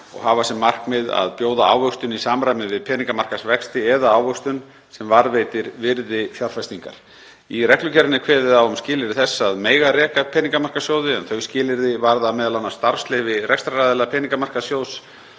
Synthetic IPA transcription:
ɔ̰ɣhaːvasɛmːar̥kmɪða̰ðpjoːwðaa̰ːwvœkst̪ʏnisaːmɾajmɪvɪðpʰɛːniŋkamar̥kasvɛkst̪ɪɛðaaːwvœkst̪ʏn | sɛmvaɾvejt̪ɪɾvɪɾðɪθjawɾfajst̪iŋka̰ɾ̥ | irɛhklʏcɛɾɪnːɪkʰvɛːðɪðawʏmscɪːlɪɾɪθɛsːaðmeːjɣarɛːkapʰɛːniŋkamar̥kasjoːwðɪɛnθœɥscɪːlɪɾðɪvaɾðamɛːðalawnast̪aɾ̥slɛɣvɪrɛkst̪ɾaɾaːðɪlapʰɛːniŋkamar̥kasjoːws

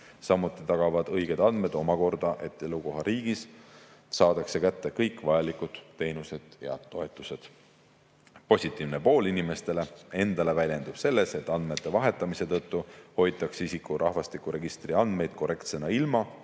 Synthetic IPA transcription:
sɑmut̪ːˑit̪ɑɡ̥ɑvɑd̪̥ɤjɡ̥e̞d̪̥ɑnd̪̥me̞d̪o̞mɑko̞rd̪̥ɑʔe̞t̪ːˑe̞luko̞ɦɑɾiːɡ̥is | sɑːd̪̥ɑkse̞kæt̪ːe̞kɤjkːˑvɑjɑlikˑud̪̥ːe̞jnuse̞d̪̥jɑ̰t̪o̞e̞t̪ːˑuse̞d̪̥ | po̞sʲit̪ːˑiːvnepo̞ːlinime̞st̪e̞lee̞nd̪ɑle̞vælʲje̞nd̪̥ub̥se̞lːe̞se̞t̪ːˑɑnd̪me̞t̪ːˑe̞vɑɦe̞t̪ːˑɑmise̞t̪ɤt̪ːuho̞jdt̪ːˑɑksisikːurʔɑhvɑst̪ikːˑuɾe̞ɡ̥ist̪riɑnd̪me̞jd̪̥ko̞re̞kt̪se̞nɑilmɑ

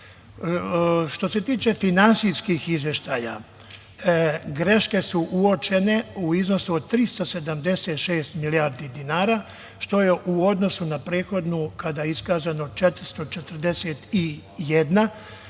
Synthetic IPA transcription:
ʃt̪o̞se̞t̪iːt͡ʃe̞finansijskixizʋjeʃt̪aːja̰ | ɡɾe̞ʃke̞suʔuo̞t͡ʃe̞ne̞uizno̞suod̪̚t̪ɾist̪o̞se̞d̪amd̪e̞set̪ʃeːst̪miliaɾd̪id̪inaːɾaː | ʃt̪o̞jeʔuo̞d̪no̞sunapɾeːxo̞d̪nukad̪ajeiskaːzanot͡ʃet̪ɾist̪o̞t͡ʃet̪ɾd̪eset̪i | jed̪na

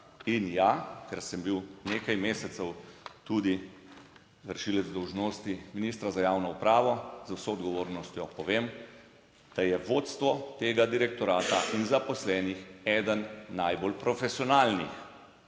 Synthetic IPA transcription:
injakɛɾsɛmbiwneːkajmeːsɛt̪sɛwt̪uːd̪i | ʋəɾʃilɛd̪zd̪ɔwʒnoːst̪iminist̪ɾazajaːwnɔupɾaːʋɔzwsɔɔd̪ɡɔʋoːɾnɔst̪jɔpɔʋem | d̪̥ajɛʋot̪st̪ʋɔt̪eːɡad̪iɾɛk̚t̪ɔɾaːt̪aʔinzapɔslɛːnixɛːd̪ənːajbolpɾɔfɛsiɔnaːlnix

